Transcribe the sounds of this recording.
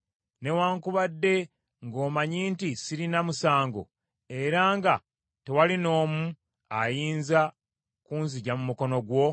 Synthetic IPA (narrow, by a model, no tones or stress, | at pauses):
ne̞waːŋkuβadːe̞ | ŋɡo̞ːmaɲiːntisiɾinamusaːŋɡo̞̰ | e̞ɾaːŋɡa | tewalino̞ːmu | ajiːnza | kuːnziɟamumuko̞no̞ɡwo̞